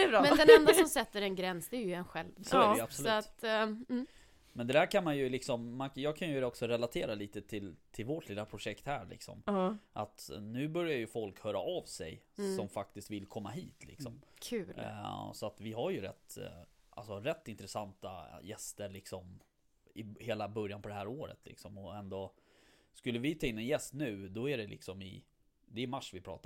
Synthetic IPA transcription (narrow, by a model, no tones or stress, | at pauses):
ɛbɾmɛnd̪ɛnɛnd̪asɔmsɛt̪ːəɾɛnɡɾɛnsd̪ɛæɾjɵɛnɧɛlvsoɛɾɛabsɔlʉːatt̪ː | mɛnd̪ɛd̪æːɾkʰanmanjɵlɪksɔmːanjɑːɡkʰanjɵd̪ɛɔksɔɾɛlat̪ʰeːɾaliːt̪ət̪ʰɪlt̪ʰɪlvoʈʰlɪlːapʰɾʊʂɛkt̪hæːɾɭɪ̰ksɔ̰mʔat̪nʉ̟ːbœɾjaɾjɵfɔlkhœːɾa̰ʔavsɛ̰j | sɔmfak̚t̪ɪst̪vɪlkʰɔmːaɦḭːt̪ʰlɪ̰ksɔ̰mkʰʉːsɔat̪vɪɦaɾjɵɾɛ̰t̪ːʔa̰lsɔɾɛt̪ːɪnt̪ɾɛsant̪a̰jɛst̪əɭɪksɔm | ɪheːlabœɾjanpʰɔd̪ɛhɦæːɾoːɾə̰t̪ʰlɪ̰ksɔmɔɛnd̪ɔ | skɵlːəvɪt̪ʰɑːɪnːɛnjɛst̪nʉ̟ːd̪ɔæɖɛlɪ̰ksɔmɪ | d̪ɛːmaʂːvɪpʰɾɑ̰ːt̪a